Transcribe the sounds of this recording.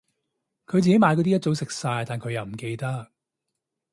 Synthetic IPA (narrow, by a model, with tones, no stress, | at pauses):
kʰɵ˨˧ɥt͡s̬iː˨ke˨˥jmaː˧jkɔː˧t̪iː˥t͡so˨˧˥wsɪ˨k̚saː˧jt̪aː˨˩nkʰɵ˨˧jɐ˨wm̩˨˩ke˧jt̪ɐ˥k̚